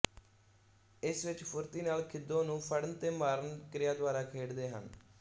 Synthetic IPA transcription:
ɪsʋɪt͡ʃpʰʊɾt̪iːnaːlkʰɪd̪ːõːnũːpʰəɽənt̪eːmaːɾənkɾɪjaːd̪ʊʋaːɾaːkʰeːɽd̪eːɦə̰n

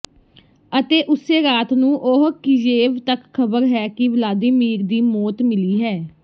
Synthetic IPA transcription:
ət̪eːʔʊseːɾaːt̪nũːʔoɦkɪd͡ʒeːʋt̪əkkʰːəbəɾɦɛːkɪʋəlaːd̪iːmiːɾd̪iːmɔːt̪mɪliːɦɛː

